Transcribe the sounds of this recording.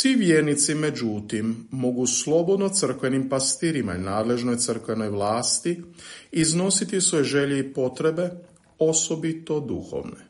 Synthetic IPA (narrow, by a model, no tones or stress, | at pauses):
sʋiʋjeɾnit̪sime̞d͡ʒut̪imːo̞ɡuslˠo̞bo̞d̪no̞t̪sr̩kʋe̞nimpast̪iːɾima̰inaːd̪le̞ʒno̞jt̪sər̩kʋe̞no̞jʋlaːst̪iizno̞sit̪isʋo̞jeʒe̞ʎeipo̞t̪ɾe̞be̞ | o̞sobit̪o̞d̪ṵxo̞̰ʋnḛ